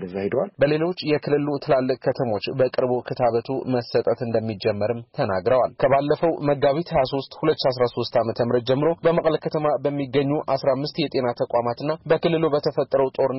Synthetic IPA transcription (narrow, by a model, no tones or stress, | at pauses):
d̪əzahid̪walbəle̞lo̞t͡ʃːjɛkʰɨlːɨlut̪ʰɨlalːɨkʼkʰət̪ʰəmo̞t͡ʃːbəkʼɨɾbokʰɨt̪ʰaβət̪ʰuməsət̪ʼət̪ɨnd̪əmːid͡ʒɛmːəɾɨmt̪ʰənaɡɾəwalkʰəβalːəfəwməɡaβit̪ʰhəjaso̞st̪hulət̪ːʃias̬ɾaso̞st̪amət̪ʰəmɨɾət̪̚d͡ʒɛmːɨɾo̞bəməkʼləkʰət̪ʰəmabəmːiɡːəɲːuʔasɾamːɨst̪jɛt̪ʼe̞nat̪ʰəkʼamat̪ɨnːabəkɨlːɨlubət̪ʰəfət̪ʼːəɾəwt̪ʼo̞ɾɨ